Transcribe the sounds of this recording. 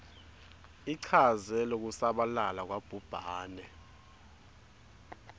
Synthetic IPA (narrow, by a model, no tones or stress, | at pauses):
iǀʰazɛlok̬usaɓalalak̬wab̥ʱub̥ʱaːnɛ